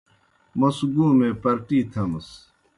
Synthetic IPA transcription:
mɐsɡũːmẽpɐɾʈiːt̪ʰɐms

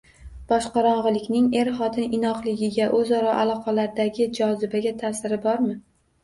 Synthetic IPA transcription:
b̥ɒʃqɑɾɒɴʁɨlɪkʲnɪŋe̞ɾχɒt̪ʰɪnɪnɒqlˠɪɡʲɪɡʲaʔɵzɒɾɒʔalˠɒqʰɑlaɾd̪aɡʲɪd͡ʒɒzɪbaɡʲat̪ʰaːsɪɾɪbɒɾmɪ

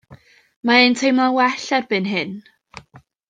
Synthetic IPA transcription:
maentʰejmawɛɬɛrbɨnɦɨn

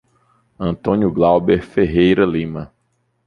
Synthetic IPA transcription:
ɐ̃nt̪õnjʊɡlawbeɾfeɦejɾɐlĩmɐ

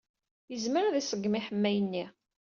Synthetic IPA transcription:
jəzməɾæðisəɡːmiħəmːæjənːi

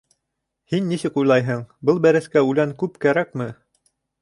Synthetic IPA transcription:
hinːisɘkujlˠɑjɦɤɴbɤlˠbæɾɘ̆skæʉlæŋkʉpkæɾækmɘ

